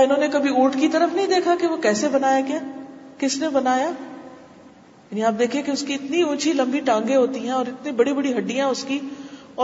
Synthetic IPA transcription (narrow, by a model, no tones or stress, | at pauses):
ɪnɦõːnekɐbʱiuːʈkit̪ɐɾəfnɐɦĩd̪eːkʰakeʋokɛːsebɐnaːjakjaːkɪsnebɐnaːjaː | jaːniaːp̚d̪eːkʰiekeʊskiɪt̪niũːt͡ʃʰilɐ̃mbiʈãːŋɡẽɦoːt̪iɦɛ̃ɔːɾɪt̪nibɐɽibɐɽiɦɐɖːijãʊski | ɔː